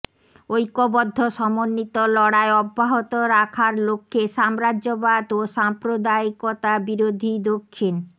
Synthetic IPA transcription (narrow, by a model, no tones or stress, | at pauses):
ojkobɔd̪ʱːoʃɔmonːit̪olɔɽaeɔbʱːaɦot̪oɾakʰaɾlokʰːeʃamɾaʑobad̪oʃampɾod̪aikot̪abiɾod̪ʱid̪okʰːin